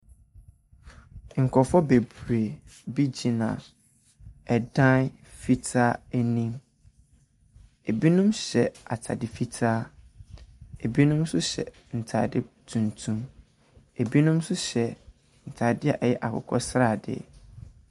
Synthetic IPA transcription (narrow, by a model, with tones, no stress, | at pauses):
ŋ̩˨kʰɔ˨fɔ˦be˨bu˨ɾe˨bi˦d͡ʑĩ˨nã̰˨ | ɛ˨dã˦n | fi˦tʰa˦æ˦nĩ˦m | e˨bi˦nũ˦mɕɛ˨a˨tʰa̰˨dɪ˨fi˦tʰaː˦ | e˨bi˦nũ˦msʊ˦ɕɛ̰˨ | n̩˨tʰa̰ː˨dɪ˦tʰũ˨ntʰũ˦m | e˨bi˦nũ˦msʊ˦ɕɛ˨ | n̩˨tʰaː˨dɪ˦a˨ʔɛ˨jɛ˦ʔa˨kʰʊ̰˨kʰɔ˦sɾa˦˨dɪ̰˦